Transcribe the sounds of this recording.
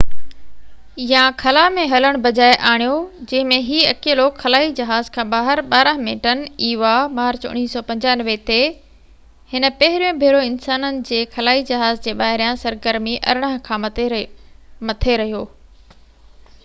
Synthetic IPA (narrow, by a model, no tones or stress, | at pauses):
jãkʰɐlaːmẽɦɐləɽ̃bɐd͡ʑaːeʔaːɽ̃ijod͡ʑɐ̃ɦɪ̃mẽɦiɐkeːloːkxɐlaːid͡ʑɐɦaːzkʰãːɓaːɦɪɾɓaːɾə̃ɦmḛ̃ʈəniːʋamaːɾt͡ɕʊ̰ñiːsɔːpɐ̃ɲd͡ʑaːnʋet̪e | hɪnə̆pɐɦɪɾijõbʱeːɾoɪnsaːnənɪ̆d͡ʑeːkʰɐlaːid͡ʑɐɦaːzd͡ʑeːɓaːɦɪɾijãsɐɾɡəɾmiʔɐ̰ɾɽ̃əɦkʰãː | mɐt̪ʰeɾɐɦijoː